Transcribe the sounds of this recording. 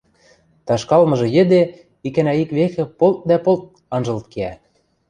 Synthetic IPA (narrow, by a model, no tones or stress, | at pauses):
t̪ɑʃkɑlmɤ̆ʒɤ̆jɘ̆d̪e | ikænæikβexĕpolt̪̚d̪æpolt̪̚ | ɑnʒɤ̆lt̪̚keæ